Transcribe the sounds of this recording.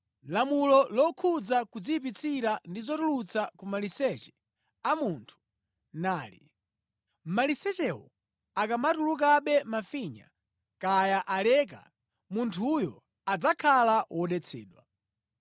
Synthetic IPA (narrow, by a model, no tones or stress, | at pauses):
lamulɔlɔkʰud͡zakud͡zipit͡sʰiɾandizɔtulut͡sakumalisɛt͡ʃɛ̥ | amuːntʰu̥ | naːlḭ | m̩malisɛt͡ʃɛwɔ̰ | akamatuluk̬aɓɛmafiɲa̰ | kajaʔalɛːk̬a̰ | muntʰujɔ̰ | ad͡zakʰalawʔɔɗɛt͡sʰɛ̰ːɗwa̰